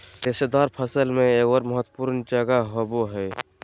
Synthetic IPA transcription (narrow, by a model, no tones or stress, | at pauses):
d̪esed̪aːɾpʰəsəlmẽeːkwəɾməɦət̪wəpuɾnd͡ʒəɡaɦoboɦɛː